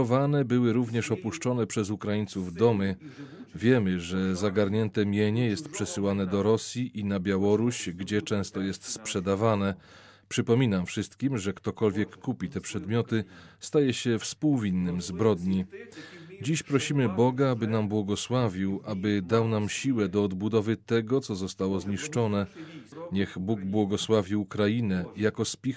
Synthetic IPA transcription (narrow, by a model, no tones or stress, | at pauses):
ɔvanɛbɘwɘɾuvɲɛʂɔpuʂt͡ʂɔnɛpʂɛzukɾajint̪suvd̪ɔmɘvʲjɛmɘʐɛzaɡaɾɲɛnt̪ɛmʲjeɲɛjɛst̪pʂɛsɘwanɛd̪ɔɾɔsʲjiʔinabʲjawɔɾuɕɡd͡ʑɛt͡ʂɛ̃st̪ɔjɛst̪spʂɛd̪avanɛ | pʂɘpɔmʲinamfʂɘst̪kʲimʐɛkt̪ɔkɔlvʲjɛkːupʲit̪ɛpʂɛd̪mʲjɔt̪ɘst̪ajɛɕɛfspuwvʲinːɘmzbɾɔd̪ɲi | d͡ʑiɕpɾɔɕimɘbɔɡaabɘnambwɔɡɔswavʲiwʔabɘd̪awnamɕiwɛd̪ɔːd̪bud̪ɔvɘt̪ɛɡɔt̪sɔzɔst̪awɔzɲiʂt͡ʂɔnɛɲɛɣbuɡbwɔɡɔswavʲiukɾajinɛjakɔspʲix